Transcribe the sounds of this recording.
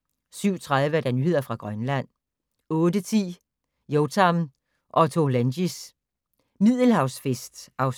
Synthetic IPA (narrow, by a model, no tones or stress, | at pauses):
syʊ̰t͡sʰʁað̞ˠʋəæɐd̥ænyːhe̝ð̞̰ˠɐfʁɑ̈ɡ̥ʁɶnlæn̰ | ɔ̽ːd̥ət͡sʰḭː | jot͡sʰɑm | ʔɒ̽t͡sʰolænɕis | mið̰ˠl̩hɑ̈ʊsfesd̥ɑ̈ʊ